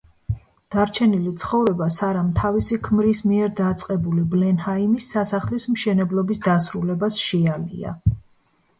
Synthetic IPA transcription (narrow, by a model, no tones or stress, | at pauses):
d̪̥aɾt͡ʃʰɛnilit̪sʰχɔvɾɛbasaɾamt̪ʰavisikʰmɾismiɛɾd̪at̪sʼqʼɛbuliblɛnhaimisːasaχlismʃɛnɛblˠɔbisd̪asɾulɛbasʃɛalḭa̰